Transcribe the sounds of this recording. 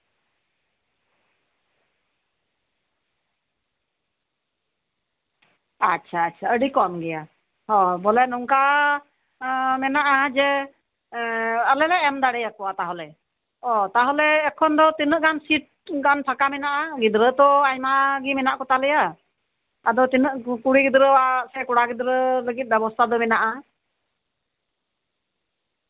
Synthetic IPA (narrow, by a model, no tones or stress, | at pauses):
atːt͡ʃʰaːtːt͡ʃʰaəɖikɔnɡɛja | hɔ̃bɔlɛnuŋka | mɛnaʔad͡ʒɛ | əlɛlɛɛmd̪aɽɛjakɔat̪aɦɔlɛ | ɔt̪aɦɔlɛːkʰɔnd̪ɔt̪inəʔɡansit̪̚ɡanp̪ʰakamɛnaʔaɡid̪ɾət̪ɔajmaɡimɛnaʔkɔt̪alɛjaː | d̪ɔt̪inəʔkuɽiɡid̪ɾəwasɛkɔɽaɡid̪ɾələɡit̪̚ˀbɛbɔst̪ʰad̪ɔmɛnaʔa